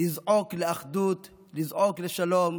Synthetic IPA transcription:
izʕokleaχd̪ut̪ | lizʕokleʃalom

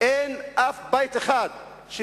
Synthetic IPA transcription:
enʔafbajt̪eχad̪ | ʃ

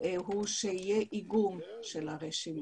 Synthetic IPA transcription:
ʔeɦuʃeijeʔiɡum | ʃelaʁeʃim

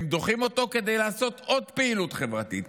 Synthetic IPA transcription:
md̪o̞χimo̞t̪o̞ke̞d̪e̞jlaːso̞t̪o̞d̪peilut̪χe̞vʁat̪it̪

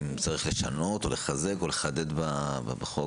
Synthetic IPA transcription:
t͡saʁiχle̞ʃano̞t̪o̞le̞χazeko̞le̞χad̪e̞d̪babbaχo

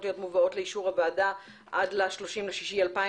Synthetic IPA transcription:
tlijo̞tmuvao̞tleiʃuʁhabaːda | ʔadlaʃlo̞ʃimleʃiʃialpa

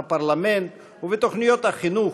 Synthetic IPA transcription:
paɾlamẽnt̪ | uvet̪oχnijot̪aχinu

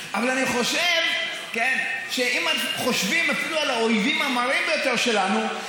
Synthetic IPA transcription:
ʔavalaniχo̞ʃev | kenʃeʔimanuχo̞ʃvimafilualaoivimamaʁimbejo̞t̪e̞ʁʃe̞lanu

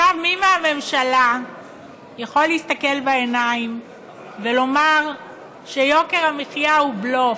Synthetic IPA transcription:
avmimaame̞mʃala | jaχo̞lːeist̪ake̞lbaenaim | velo̞maʁ | ʃejo̞ke̞ʁameχjaublo

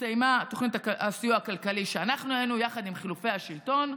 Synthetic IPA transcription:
sejmat̪oχnit̪aasijuakalkaliʃeanaχnuajenujaχad̪imχilufe̞jhaʃilto̞n

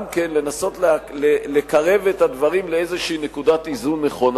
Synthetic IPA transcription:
mke̞nle̞naso̞tllele̞kaʁe̞vet̪ad̪vaʁimleezeʃiine̞kudat̪izunːe̞χo̞n

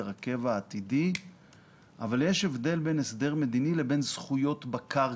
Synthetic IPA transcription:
ʁake̞vaːt̪idi | ʔavaljeʃevd̪e̞lbe̞nesd̪e̞ʁme̞d̪inile̞be̞nzχujo̞tbaka

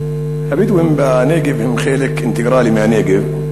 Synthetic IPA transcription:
habiːd̪wɪmbaneːɡɪbhɪmxeːlɪkʔɪnt̪ɪɡɾˤɑːlimaneːɡɪb

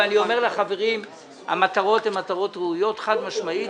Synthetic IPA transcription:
anio̞me̞ʁlaχave̞ʁim | a̰mat̪aʁo̞t̪emat̪aʁo̞t̪ʁuujo̞t̪χad̪maʃmai

